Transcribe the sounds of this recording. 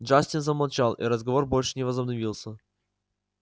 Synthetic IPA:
ʐasʲtʲɪnzəmɐlˠt͡ɕalˠʔḭɾəzɡɐvorbo̞lʲʂɨ̥nʲɪvəzəbnɐvʲilˠsʲə

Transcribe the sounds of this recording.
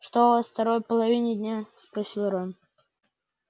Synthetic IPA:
ʂt̪oft̪ɐɾojpəlˠɐvʲinʲɪd̪ʲnʲaspɾɐsʲilˠɾon

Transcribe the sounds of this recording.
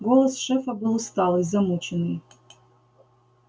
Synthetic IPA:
ɡolˠɐsʂɛfɐbɨlˠst̪alˠɨzɐmut͡ʃʰɪnɨj

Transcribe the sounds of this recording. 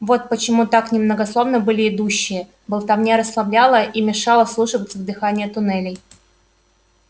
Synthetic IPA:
vo̞t̪̚pət͡ɕɪmut̪aknʲɪmnəɡɐslˠo̞vnɨbɨlʲɪɪd̪uɕːɪjə | bəlˠt̪ɐvnʲeɾəslˠɐblʲalˠəʔimʲɪʂɑlˠəslˠuʂɨvət̪səvd̪ɨxanʲɪjət̪ʊnɛlʲɪj

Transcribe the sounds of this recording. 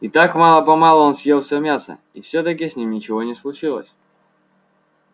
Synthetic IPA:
it̪akmɑlˠəpɐmɑlˠʊonsʲjelˠfsʲomʲasə̰ | ifsʲɵt̪ək̬ʲɪsʲnʲimnʲɪt͡ɕɪvonʲɪslˠʊt͡ɕilˠə̰sʲ

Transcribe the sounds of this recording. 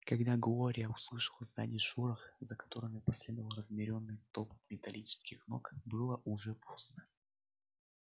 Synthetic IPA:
kɐɡd̪aɡlˠoɾʲɪjəʊslˠɨʂəlˠəzʲd̪a̰nʲɪʂuɾəxzəkɐ̥t̪o̞ɾɨmʲɪpɐsʲlʲɛd̪əvəlˠɾəzmʲɪɾʲo̞nːɨjt̪opmʲɪt̪ɐlʲit͡ɕɪ̥skʲɪxno̞̰kbɨlˠəʔʊʐɛpʰosnə

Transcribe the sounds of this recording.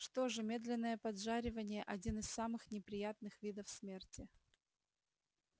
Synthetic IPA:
ʂt̪oʐɨmʲe̞d̪lʲɪnːəjəpɐd̪ʐaɾʲɪvənʲɪjəʔɐdʲinɨssamɨxnʲɪpɾʲɪjat̪̚nɨxvʲid̪əfsmʲertʲɪ

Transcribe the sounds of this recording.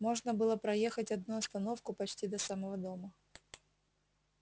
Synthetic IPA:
mo̞ʐnəbɨlˠəpɾɐjexətʲɐd̪̚nuɐst̪ɐno̞fkʊpɐt͡ɕtʲid̪ɐsaməvəd̪o̞mə

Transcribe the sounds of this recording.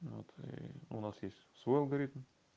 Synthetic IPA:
vo̰t̪wonɑsjesʲ | svojlˠɡaɾit̪əm

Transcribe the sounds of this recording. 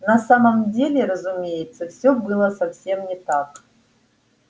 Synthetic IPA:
nɐsaməmdʲelʲɪɾəzʊmʲejɪt̪səfsʲɵbɨlˠəsɐfsʲe̞mnʲɪt̪ak

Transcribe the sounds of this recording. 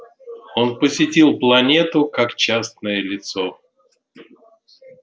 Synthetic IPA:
o̞npəsʲɪtʲilˠplˠɐnʲet̪ʊkakt͡ɕasnəjəlʲɪt̪so

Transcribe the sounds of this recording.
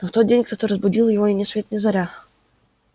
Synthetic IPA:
noft̪od̪̚dʲenʲkt̪ot̪oɾəzbʊdʲilˠjɪvoɪnʲɪsvʲet̪nʲɪzɐɾʲa

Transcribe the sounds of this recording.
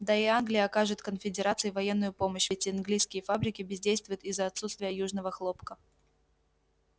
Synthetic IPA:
d̪aɪanɡlʲɪjəɐkaʐɨt̪kənfʲɪdʲɪɾat̪sɨjvɐjenːʊjʊpo̞məɕvʲɪtʲɪɐnɡlʲijskʲɪjəfabɾʲɪkʲɪbʲɪzʲdʲejst̪vʊjɪʊt̪ɪzːəɐt̪sut̪st̪vʲɪjəjuʐnəvəxlˠo̞pkə

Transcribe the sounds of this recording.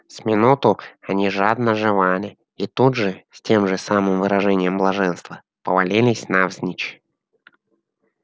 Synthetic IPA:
sʲmʲɪnut̪ʊɐnʲiʐad̪nəʐɨvalʲɪ | it̪ud̪ʐɨsʲtʲemʐɨsamɨmvɨɾɐʐɛnʲɪjəmblˠɐʐɛnst̪və | pəvalʲilʲɪsʲnavzʲnʲit͡ɕ

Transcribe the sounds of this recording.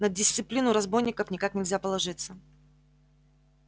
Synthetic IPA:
nədʲɪsʲt̪sɨplʲinʊɾɐzbo̞jnʲɪkəfnʲɪkaknʲɪlʲzʲapəlˠɐʐɨt̪sə

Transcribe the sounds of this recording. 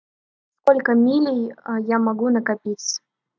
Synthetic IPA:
skolʲkəmʲilʲɪjjamɐɡunəkapʲis

